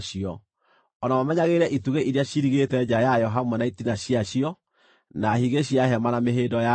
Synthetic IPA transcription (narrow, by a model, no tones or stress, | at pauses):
ʃiɔ | ɔnamamɛɲaɣeɾɛʔituɣeʔiɾiaʃiɾiɣetɛd͡ʒajajɔɦamɛnaitinaɕiaɕiɔ | nahiɣeɕiaɦɛmanameɦedɔja